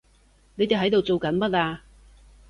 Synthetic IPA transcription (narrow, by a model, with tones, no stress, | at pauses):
ne˨˧jt̪e˨jɦɐ˨˥jt̪o˨wt͡so˨wkɐ˨˥nmɐ˦˥t̚aː˧